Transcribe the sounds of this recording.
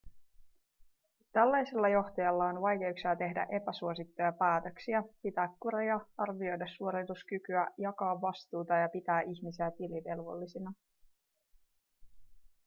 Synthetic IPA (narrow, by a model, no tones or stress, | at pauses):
t̪ælːæjselːɑjo̞ht̪ɑjɑlːɑonʋɑjke̞uksiɑt̪e̞ɦdæ̰ʔe̞pæsuo̞sit̪ːo̞jɑpæːt̪ø̞ksiæpit̪æːkːuɾejɑɑrʋio̞jdɑsːuo̞ɾet̪uskykyæjɑkɑːʋːɑst̪uːt̪ɑjɑpit̪æːʔiçmisiæt̪iliʋe̞lʋo̞̰lːisinɑ